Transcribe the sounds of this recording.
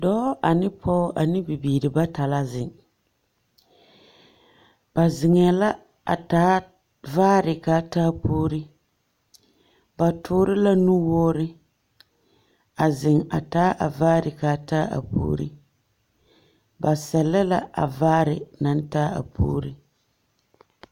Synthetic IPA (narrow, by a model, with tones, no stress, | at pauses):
dɔː˦ʔa˨nɪ˦pʰɔ˦ʔa˨nɪ˦bi˨biː˨ɾɪ˨ba˦ta˨la˦zɪ˨ŋ | b̥a˨zɪ˨ŋɛ˨la˦ | a̰˨taː˨˦ | vaː˦ɾɪ˨ka˦taː˦poː˦ɾi˦ | ba˨tʰʊː˦ɾɪ˦la˦nu˦wɔ˦ɾɪ˦ | a˨zɪ˨ŋa̰˨taː˨˦ʔa˨vaː˦ɾɪ˨kaː˦taː˦a̰˨po̰ː˦ɾḭ˦ | ba˨sɛ˨lːa˦la˦ʔa̰˨vaː˦ɾɪ˨na˨n˦taː˦a̰˨pʰo̰ː˦ɾi˦